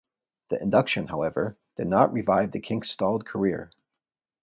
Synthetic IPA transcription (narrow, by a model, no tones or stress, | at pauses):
ðiʔɨ̰̃ndʌkʃɨ̃nɦaʊɛvə˞ | d̥ɨdⁿnəʔ̚ɹivaɪvðɨkʰɪ̃ŋkstɔlˠd̚kʰə˞ɪ̰ɹ